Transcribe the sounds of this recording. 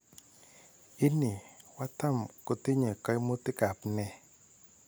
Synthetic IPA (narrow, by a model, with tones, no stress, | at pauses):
i˦nɪ˨wa˦ta˦˨mko˨tɪ˦ɲe˨kɔ˨˦i˦mo˦tɪ˦ka˨pnɛ˦